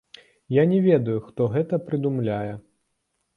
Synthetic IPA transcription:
janʲɛvʲɛd̪ɐjuxt̪ɔɣɛt̪ɐpɾɨd̪umlʲajɛ

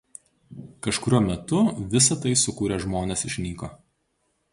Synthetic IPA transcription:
kɐʃkʊɾʲuɔmʲɛt̪ʊʋʲɪsɐt̪ɐɪsʊkuːɾʲeʒmoːnʲɛsɪʃʲnʲiːkoː

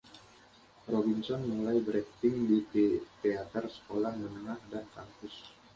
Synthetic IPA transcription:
robinsɔnmulajbəɾɛkt̪ɪŋdit̪et̪eat̪ərsə̥kolahmənəŋahdankaŋpʊs

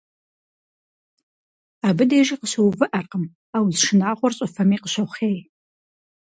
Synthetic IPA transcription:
aːbɨdeːʒiːqəɕɨwvɨʔɐrqəm | aːwzʂɪnaːʁʷɔrɕʼɐfɐmiːqəɕɐχeːj

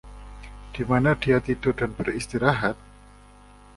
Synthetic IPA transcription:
d̥imanadiat̪id̪ʊdanbərist̪iɾaɦat̪̚

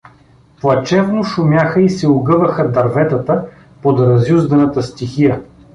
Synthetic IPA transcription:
plˠɐt͡ʃɛvnoʃʊmʲjaxəisɛʊɡɤvɐxəd̪ɐɾvɛt̪ət̪ə | pod̪ɾɐzjuzd̪ɐnət̪əst̪ixijə

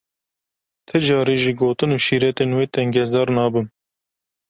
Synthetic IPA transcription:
t̪ʰɨd͡ʒɑːɾiːʒiːɡoːt̪ɨnuːʃiːɾɛt̪enweːt̪ɛŋɡɛzɑːɾnɑːbɨn

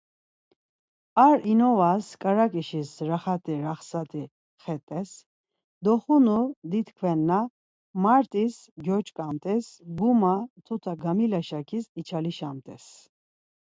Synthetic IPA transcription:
aɾinɔvaskʼaɾakʼiʃisɾaχat̪ʼiɾaχsat̪ʼi | χɛt̪ʼɛs | d̪ɔχunud̪it̪ʰkʰvɛnːa | maɾt̪ʼis | ɡjɔt͡ʃʼkʼamt̪ʼɛsɡumat̪ʰut̪ʰaɡamilaʃakʰisit͡ʃʰaliʃamt̪ʼɛs

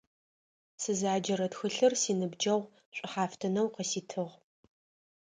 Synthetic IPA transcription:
sɨzaːd͡ʒɐɾɐtxɨɬɨrsiːnɨbd͡ʒɐʁʷ | ɕʷʼɪħaːftʰɐnɐwqəsiːtʰɨʁ

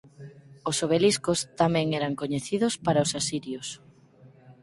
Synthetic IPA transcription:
osoβeliskʊst̪amɛ̃ŋɛɾaŋkoɲeθiðʊspaɾaosasiɾjos

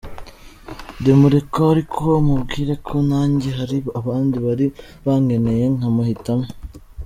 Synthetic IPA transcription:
demuɾekoɾikʰo̞mubɡiːɾe̞kʰonaːɲɟeɦaɾiβoaβaːndiβaɾi | βaŋɡe̞ne̞je̞ŋamahitame

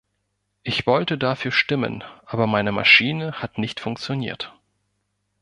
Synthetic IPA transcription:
ʔɪçv̥ɔltədafyːɐʃtɪmə̰nʔaːbɐmaɪnəma̰ʃiːnəhatnɪçtfʊŋk̚t͡sjonḭːɐt

